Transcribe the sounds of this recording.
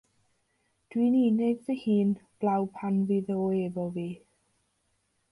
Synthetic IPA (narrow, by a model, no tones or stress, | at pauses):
d̥winiːneɡvəhiːnb̥lawpʰanviðoːevɔviː